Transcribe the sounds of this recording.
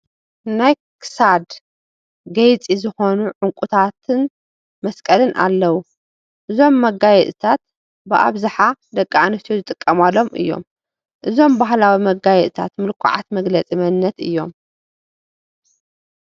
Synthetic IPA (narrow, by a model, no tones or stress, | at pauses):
naj | kʰɨ̥sad̪ | ɡɐjt͡sʼizɨxo̞nuʕʊŋkʷʼut̪ʰat̪ʰɨn | mɐskʼɐlɨnʔa̰lːɐwu | ʔɨzo̞mːɐɡajɛt̪ʼt̪ʰat̪̚ | bɨʔa̰βzaħad̪ɐkʼːaanɨt̪ʰuzɨt̪ʼɨkʼːɐmalːo̞mʔɨ̰jːo̞̰m | ʔɨzo̞mbaɦlawimɐɡajɛt̪ʼt̪ʰat̪mɨlkʰʊ̰ʕa̰t̪mɐɡlɐt͡sʼimɐnːɐt̪ɨjːo̞̰m